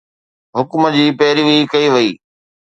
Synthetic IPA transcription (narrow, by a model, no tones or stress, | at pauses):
ɦʊkməd͡ʑiːpɛːɾiʋiːkɐiʋɐiː